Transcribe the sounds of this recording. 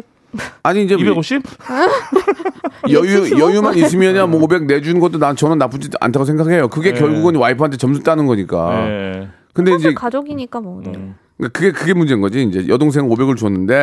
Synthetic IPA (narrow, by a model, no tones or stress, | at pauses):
aɲiːnd͡ʑeeoɕi | jʌjujʌjumanis̬ʰimjʌɲanmwʌobe̞ɡ̚ne̞d͡ʑunɡʌt͈onat͡ɕʌnɯnːap͈ud͡ʑia̰ntʰaɡosʰe̞ŋɡake̞jokɯɡe̞kjʌɭɡuɡɯnwaipʰɯɦantʰe̞t͡ɕʌmsʰut͈anɯnɡʌɲik͈a̰ | kɯndeind͡ʑekad͡ʑoɡiɲik͈amʌ | kakɯɡe̞kɯɡe̞mund͡ʑenŋɡʌd͡ʑiːnd͡ʑe̞jʌdoŋs̬ʰe̞ŋobe̞ɡɯɭt͡ɕuʌnːɯnde̞